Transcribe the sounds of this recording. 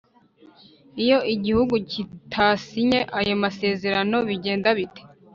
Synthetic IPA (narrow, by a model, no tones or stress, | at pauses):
ijo̞ʔiɟihuɡucitʰasiɲeʔajo̞mase̞ːze̞ɾano̞βiɟe̞ːndaβite̥